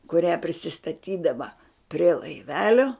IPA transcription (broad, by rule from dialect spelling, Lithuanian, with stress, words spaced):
kʊˈrʲæː pʲrʲɪsʲɪstɐˈtʲiːdɐʋɐ pʲrʲiɛ lˠɐɪˈʋʲæːlʲoː